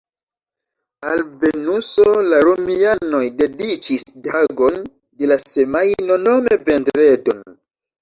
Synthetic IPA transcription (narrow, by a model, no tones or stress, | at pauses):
alve̞nusolaɾomiano̞jde̞dit͡ʃisdaɡo̞n | de̞lasemajno̞no̞me̞ve̞ndɾedo̞n